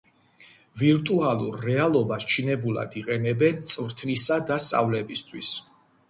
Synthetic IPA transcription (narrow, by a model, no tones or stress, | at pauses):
viɾt̪ʼualˠṵɾːɛalˠɔbast͡ʃʰinɛbulˠa̰d̪iqʼɛnɛbɛnt̪sʼvɾt̪ʰnisad̪ast̪sʼa̰vlɛbist̪ʰwis